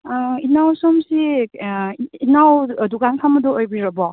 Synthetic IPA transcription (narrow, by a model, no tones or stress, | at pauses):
inawsɔmsi | nawduɡankʰamɐdɔojbiɾɐbɔ